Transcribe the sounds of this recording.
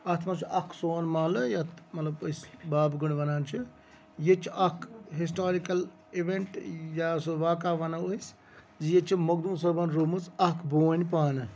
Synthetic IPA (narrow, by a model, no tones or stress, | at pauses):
ɐt̪ʰmat͡ʃʰʔɐkʰsoːnmaːlɨjat̪mɐt̪lɐbɐsbaːbɡuɳʋɐnaːnt͡ʃʰi | jet͡ʃʰiʔɐkʰɦis̬ʈaːɾikɐl | iʋeɳʈjasʋaːkaːʋɐnaois | zjet͡ʃʰimɐɡd̪unsɐbɐnɾumɨt͡sɐkʰboːnʲpaːnɨ